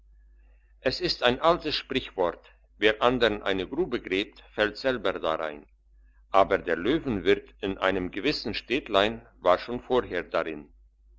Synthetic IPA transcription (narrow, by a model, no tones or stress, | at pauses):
ʔɛsɪstaɪnʔaltəsʃpʁ̥ɪçv̥ɔɐt | veːʁʔandəʁənʔa̰ɪnəɡʁuːbəɡʁeːp̚tfɛltz̥ɛlbəda̰ʁa̰ɪn | ʔaːbəɐdeːɐløːvn̩vɪʁtɪnʔa̰ɪnəmɡəvɪsn̩ʃteːtlaɪnvaːʃoːnfoːɐɦeːɐdaʁɪn